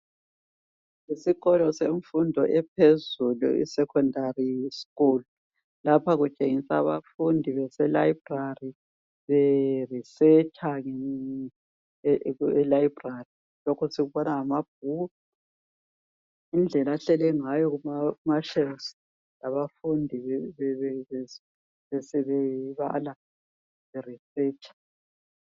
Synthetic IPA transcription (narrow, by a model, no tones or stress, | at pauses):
isiɣɔlɔseɱfundʱɔʔɛp̚ʰezulṵḭsɛkʰɔndarisi̥ɣulu | lapʰaɣut͡ʃʼeŋisa̰βa̰fundʱiβɛsɛlaib̥rari | βɛrisɛt͡ʃʰʼaŋɛ | ɛlajib̥ʱrari | lokʰusiɣuβɔnaamab̥̚ʱu | ind͡ɮʱɛlaɬɛlɛŋajɔɣumaumaʃɛls | laβafundʱiɛɛɛ | ɛsɛβɛiβa̰la | βɛrisɛːt͡ʃʼḁ